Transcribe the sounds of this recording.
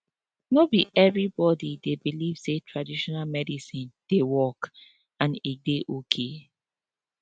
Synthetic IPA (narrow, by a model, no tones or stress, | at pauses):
nobiʔɛvɹibɔdidebiliv̥setʰɹadiʃɔnalmɛdisĩnd̥ewɔk | ãnideʔokʰe